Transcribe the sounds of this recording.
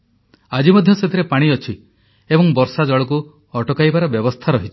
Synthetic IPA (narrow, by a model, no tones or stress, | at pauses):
ad͡ʒimɔd̪ʱjɔset̪ʰiɾepaɽ̃iɔt͡ʃʰi | ebɔŋbɔɾsad͡ʒɔɭɔk̬u | ɔʈɔkajbaɾɔbjɔbɔst̪ʰaɾɔɦit͡ʃʰi̥